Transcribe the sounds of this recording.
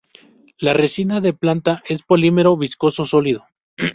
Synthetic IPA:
laresinaðe̞plant̪aʔe̞spo̞lime̞ɾo̞βisko̞so̞so̞liðo̞

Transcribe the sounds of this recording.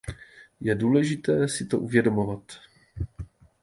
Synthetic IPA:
jɛduːlɛʒɪt̪ɛːsɪt̪o̞ʔuvjɛdo̞mo̞vat̪

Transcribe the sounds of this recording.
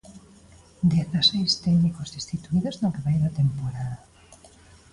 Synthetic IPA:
d̪eθasejst̪ɛɡnikozðist̪it̪uiðoznokeβajðat̪empoɾaða

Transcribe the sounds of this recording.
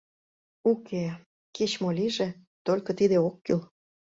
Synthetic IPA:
ukʰe | ket͡ɕmolʲiʒe | t̪olʲkɤ̆t̪id̪eokːyl

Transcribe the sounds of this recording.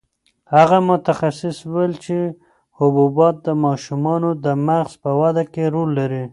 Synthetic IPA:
haɣamʊt̪axasɪswelt͡ʃe | hʊbubɑt̪̚d̪əmɑʃumɑnod̪əmaɣz̥pəwad̪akeɾolːaɾi

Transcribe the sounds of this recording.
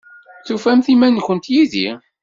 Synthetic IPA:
θufæmθimænçʷənt̪jiðḭ

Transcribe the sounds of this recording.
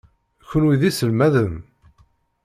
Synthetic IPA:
çənwiðisəlmæðəm

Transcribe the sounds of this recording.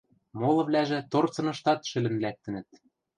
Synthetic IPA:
molɤ̆vlæʒĕt̪ort͡sɤ̆nɤ̆ʃt̪ɑt̪ʃɘ̆lɘ̆mlæk̚t̪ɘ̆nɘ̆t̪̚

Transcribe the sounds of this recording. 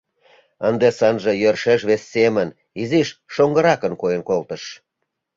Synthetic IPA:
ənd̪esɑnʒĕjørʃeʃβesːemən | iziʃːoŋɡə̆ɾɑkənkojenkolt̪əʃ

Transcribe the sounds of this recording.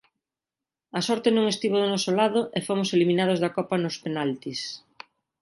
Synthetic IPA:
ɐsɔɾt̪enõŋest̪iβoðonɔsolaðʊʔefomoselimĩnað̞ozðɐkɔpɐnʊspenalt̪is

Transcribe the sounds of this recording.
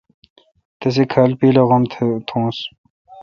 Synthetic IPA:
t̪ɐs̬ekʰɐlpiːlɐɣɐmʰt̪ʰũːs

